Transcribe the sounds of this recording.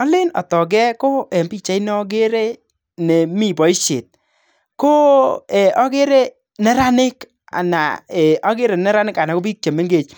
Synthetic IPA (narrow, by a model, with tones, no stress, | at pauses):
ɔ˦lɪ˦nɔ̰˨tɔ˨ɡ̬ɛ˦ko˦ɛ˨mbi˦t͡ʃa˦i˦nɛ˦ɔ˦ɡ̬e˦ɾe˦ | ne˨mi˦˨bɔ˨i˦ʃḛ˨t̚ | ko˦ɛ˨ʔɔ˦ɡe˦ɾe˦ | nɛ˦ɾa˦nɪ˦k | a̰˨na̰˨e˨ʔɔ˦ɡe˦ɾe˨nɛ˦ɾa˦nɪ˦ka˨na˨ko˦bi˦kʲe˨me˦ŋɡe˨t͡ʃ